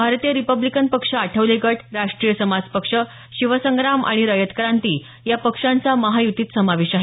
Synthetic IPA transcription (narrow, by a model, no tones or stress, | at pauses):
bʱaɾt̪ijəɾipəblikənpəkʂəaʈʰəʋleɡəʈʰɾaʂʈɾiːjəsəmad͡zpəkʂə | ɕiʋəsəŋɡɾama̰ɽ̃iɾəjət̪kɾant̪iː | japəkʂãnt͡saməɦajut̪iːt̪səmaʋeɕaɦe